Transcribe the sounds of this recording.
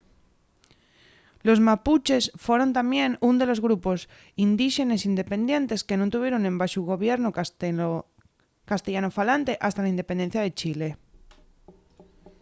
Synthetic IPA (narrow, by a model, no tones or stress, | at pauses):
lo̞zmaput͡ʃe̞sfwo̞ɾo̞nt̪amjẽ̞nund̪e̞lo̞zɣɾupo̞s | ind̪iʃe̞ne̞sind̪e̞pẽ̞nd̪jẽ̞nt̪e̞ske̞nont̪uβjeɾonembaʃuɣo̞βje̞ɾno | kast̪eʝanofalant̪e̞ʔast̪alaind̪epend̪enθjað̞e̞t͡ʃile̞